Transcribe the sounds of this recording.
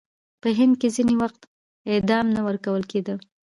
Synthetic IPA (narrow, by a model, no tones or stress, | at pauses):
pəɦɪnd̪̚kezinewaxt̪ | ɪd̪ɑmnawəɾkawəlked̪ə